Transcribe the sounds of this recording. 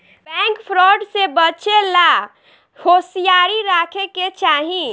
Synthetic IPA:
bɛ̃ŋkpʰɾɔːɖsebət͡ʃela | hoːsijaːɾiɾaːkʰeket͡ʃaːɦĩ

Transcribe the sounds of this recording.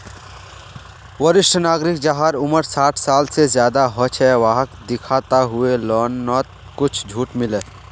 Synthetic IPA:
ʋəɾɪʃʈʰnaːɡɾɪk̚d͡ʒaɦaːɾʊməɾsaːʈʰsaːlsezjaːd̪aɦɔt͡ʃʰɛʋaːɦəkd̪ɪkʰaːt̪aɦʊelɔːnːɔːt̪̚ | kʊt͡ʃʰd͡ʒʱuːʈmɪleː

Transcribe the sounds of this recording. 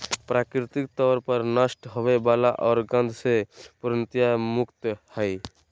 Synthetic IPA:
pɾaːkɾɪt̪ɪk̚t̪ɔːɾpəɾnəsʈɦoʋebaːlaʔɔːɾɡə̃nd̪ʱsepʊɾənt̪jamʊkt̪hɛj

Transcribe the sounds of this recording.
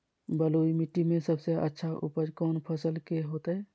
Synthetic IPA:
bəloːimɪʈːimẽsəbseə̰tːʃʰaʔʊ̰pəd͡ʒkɔːnpʰəsəlkeɦoːt̪aɦɛː

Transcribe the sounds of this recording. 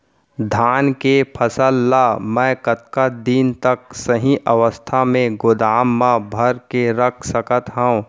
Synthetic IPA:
d̪ʱaːnkepʰəsəlːamɛ̃ːkət̪̚kad̪iːnt̪ək̚səɦĩʔəʋəst̪ʰamẽɡʊd̪aːmːãbʱəɾkeɾəkʰsəkət̪ɦəũ

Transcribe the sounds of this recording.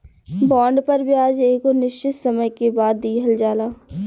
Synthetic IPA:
bɔːɳɖpɐɾbʱiaːd͡ʒeːkonɪʃt͡ʃɪt̪sɐməjkebaːd̪ːiːɦəld͡ʒaːlaː

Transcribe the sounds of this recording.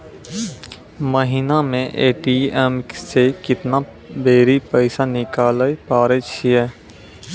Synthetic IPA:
məɦɪnamẽʔeːʈiɛmsekɪt̪na | beːɾipəɪsanɪkaːləjpaːɾet͡ʃʰiɛː

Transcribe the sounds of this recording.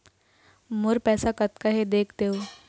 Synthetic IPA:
mʊɾpɛːsakɐt̪kaɦed̪eːkʰt̪eɦoː

